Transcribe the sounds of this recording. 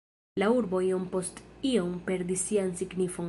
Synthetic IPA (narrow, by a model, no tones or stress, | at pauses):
lauɾbo̞io̞mpo̞stio̞mpe̞ɾdisːiansiɡnifo̞ŋ